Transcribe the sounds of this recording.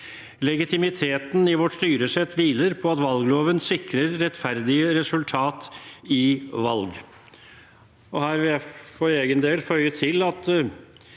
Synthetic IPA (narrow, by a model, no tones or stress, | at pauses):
lɛɡɪt̪ɪmɪt̪ʰeːt̪n̩ɪʋɔʈʂt̪yːɾəsɛt̪ʰːʋiːləɾpʰɔɑt̪ʋɑlɡloːʋənsɪkɾəɾːɛt̪ːfæɾd̪ɪəɾɛsʉlt̪ʰɑːt̪ɪʋɑlɡ | ɔhæːɾʋɪljæɪfɔɾeːɡənd̪eːlfœʏət̪ʰɪlɑt̪